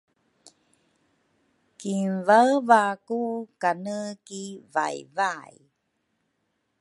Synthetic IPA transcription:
kinvavakukanəkiva̰jvaj

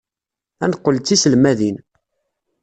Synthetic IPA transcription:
ænqːəlt͡sːisəlmæðin

